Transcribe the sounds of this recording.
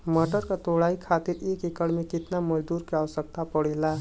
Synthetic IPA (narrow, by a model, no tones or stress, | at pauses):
məʈəɾkat̪oːɽaːikʰaːt̪ɪɾeːkɪkəɽmẽkɪt̪naməd͡ʒd̪uːɾkiaːʋəsək̚t̪ʰapəɽeːlaː